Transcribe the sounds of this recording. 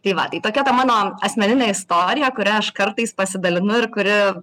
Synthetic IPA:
t̪ɐɪʋɐ̰t̪ɐɪt̪oːkʲɛt̪ɐmɑːnoːɐsʲmʲɛnʲɪnʲɛːɪst̪oːɾʲɪjɛkʊɾʲɛɐʃkɐɾt̪ɐɪspɐsʲɪd̪ɐlʲɪnʊɪɾkʊɾʲɪ

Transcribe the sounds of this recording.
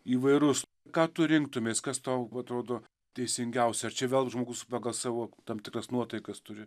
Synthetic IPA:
iːʋɐɪɾʊs | kɑːt̪ʊɾʲɪŋk̚t̪ʊmʲeːskɐst̪oːɐt̪ɾoːd̪oː | t̪ʲɛɪsʲɪŋʲɡʲɛʊsʲɛɐrt͡ʃʲɛʋʲeːlˠʒmoːɡʊspɑɡɐlˠsɑːʋoːt̪ɐmʲt̪ʲɪkrɐsnuɔt̪ɐɪkɐst̪ʊɾʲɪ

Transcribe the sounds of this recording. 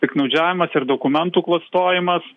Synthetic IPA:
t̪ʲɪknɐʊd͡ʒʲæːʋʲɪmɐsɪɾd̪oːkʊmʲɛnt̪uːklˠɐst̪oːjɪmɐs

